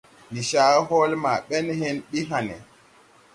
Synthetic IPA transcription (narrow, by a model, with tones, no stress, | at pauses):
ni˨ʃaː˦ɦɔ˦lma˨ɓɛ˦nhɛ˦nɓi˦ɦanɛ̰˨